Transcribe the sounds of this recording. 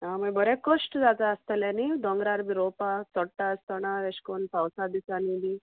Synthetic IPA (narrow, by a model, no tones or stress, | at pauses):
aməbəɾɛkosʈd͡zat̪aəst̪əlanid̪ɔŋɡɾaɾbiɾopat͡sɔʈːaəst̪əɽ̃aʋeɕkonpawsad̪isanid̪i